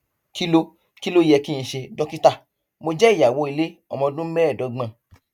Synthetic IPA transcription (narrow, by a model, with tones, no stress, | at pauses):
ki˦lo˦ | ki˦lo˦jɛ˧ki˦ĩ˧ʃe˧dɔ˦ki˦ta˦˨ | mo˧d͡ʒɛ˦i˦˨ja˨wo˨˦i˧le˦ɔ˧mɔ̃˧dũ˦m̩˦bɛ˦ɛ˦˨dɔ˨˦ɡ͡bã˧